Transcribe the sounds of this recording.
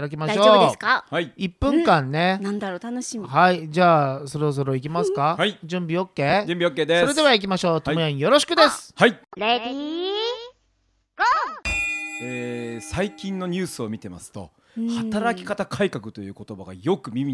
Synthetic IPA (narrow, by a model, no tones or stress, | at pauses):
ɾak̬ʲimadaɕo̞ːbeskaaiipːɯ̟̃ŋkãnːe̞nãnd̪aɾot̪anoɕimihaid͡ʑaːso̞ɾo̞s̬o̞ɾo̞ik̬ʲimasɨ̥kahaid͡ʑɯ̃mbʲio̞kːe̞ːd͡ʑɨ̃mbʲiokːe̞ːd̪eso̞ɾe̞d̪e̞βaik̬ʲimaɕo̞ːt̪omojaɲĩjo̞ɾo̞ɕ̬i̥kɯ̟d̪e̞sɨ̥haiei | esaikʲĩnːo̞ɲ̟ʲɨːsɨomʲit̪e̞ma̰sɨ̥t̪o̞̰ | hat̪aɾakʲi̥kat̪akʰaikakɯ̟̥t̪o̞jɯ̟ːko̞t̪o̞baɡa̰jo̞kɯ̟mʲimʲi